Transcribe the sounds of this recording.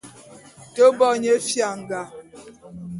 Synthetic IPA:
to˦bɔ˦˨ɲe˨˦fja˨ŋ̩˨ɡa˨

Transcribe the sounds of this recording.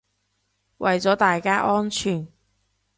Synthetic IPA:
wʔɐ˨jt͡sɔː˨˥t̪aː˨jkaː˥ʔɔː˥nt͡ʃʰyː˨˩n

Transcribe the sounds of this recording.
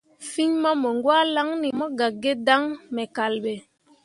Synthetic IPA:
fi˦ɲmɔ˦mɔ˨ŋɡwa˦la˦ŋni˨mɔ˦ɡa˨ɡe˦da˦ŋmɛ˨ka˨lɓe˨

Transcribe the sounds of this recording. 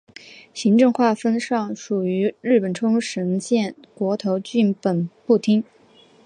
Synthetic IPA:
ɕi˧˥ŋʈ͡ʂɤ˥˧ŋxwa˥˩fə˥nʂɑ˥˩ŋʂu˨˩y˧˥ɻɻ̩˥˩pə˨˩nʈ͡ʂʰʊ˥ŋʂə˧˥nt͡ɕjɛ˥˩n | kwɔ˧˥t̪ʰo˧˥ʊt͡ɕy˥˩npə˨˩npu˥˩t̪ʰi˥ŋ

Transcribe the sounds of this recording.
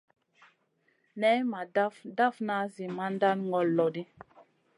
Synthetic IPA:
nɛ˦ma˨da˦fda˦˨fna˨˦zi˨ma˦nda˦nŋɡɔ˨lːɔ˨di˦

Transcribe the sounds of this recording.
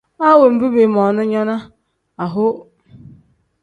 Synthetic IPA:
a˦we˨m̩˨bu˦be˨m˨ɔ˨nʊ˦ɲɔ˦na˦ | a˨ɦʊ˦

